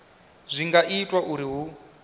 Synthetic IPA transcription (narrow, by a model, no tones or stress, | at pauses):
zʷiŋɡaʔitʼwaʔuɾiɦu